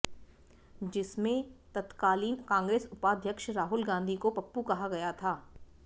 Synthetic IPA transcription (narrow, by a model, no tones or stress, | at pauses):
d͡ʒɪsmẽt̪ɐt̪kaːliːnkãːŋɡɾeːsʊpaːd̪ʱjəkʃɾaːɦʊlɡãːnd̪ʱikopɐpːukɐɦaɡɐjat̪ʰaː